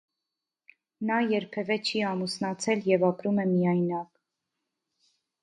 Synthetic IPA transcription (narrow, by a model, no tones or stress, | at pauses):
nɑjɛɾpʰɛvɛt͡ʃʰiɑmusnɑt͡sʰɛljɛvɑpɾumɛmijɑjnɑk